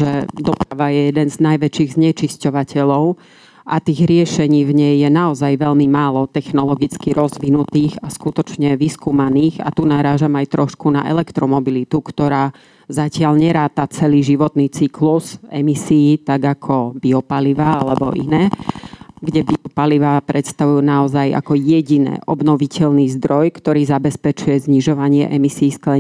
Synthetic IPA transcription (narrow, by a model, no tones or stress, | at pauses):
ʒɛd̪ɔpɾaʋajɛjɛd̪ɛnznajʋɛt͡ʃiːɣzɲɛt͡ʃiscɔʋacɛʎɔʊ | ʔat̪iːɣɾɪɛʃɛɲiːvɲɛjjɛnaɔzajʋɛʎmimaːlɔt̪ɛxnɔlɔɡit͡skiɾɔzʋinut̪iːɣaskut̪ɔt͡ʃɲɛʋiskuːmaniːɣa̰t̪unaɾaːʒamajt̪ɾɔʃkuna̰ʔɛ̰lɛkt̪ɾɔmɔbilit̪ukt̪ɔɾaː | zacɪaʎɲɛɾaːt̪at͡sɛliːʒiʋɔt̪niːt͡sikluzɛmisiːt̪aɡakʰɔbiɔpaliʋaalɛbɔ̰ʔḭnɛː | ɡɟɛbiɔpaliʋapɾɛt̪st̪aʋujɛnaɔzaja̰kɔjɛɟinɛ̰ːʔɔbnɔʋicɛʎniːzd̪ɾɔjkt̪ɔɾiːzabɛspɛt͡ʃujɛzɲiʒɔʋaɲɪɛ̰ʔɛmisiːsklɛ